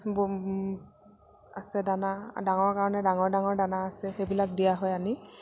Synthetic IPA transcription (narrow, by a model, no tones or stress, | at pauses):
b | asɛdanadaŋɔɹkaɹɔnɛdaŋɔɹdaŋɔɹdanaːsɛxejbilak̚dijaɦɔjani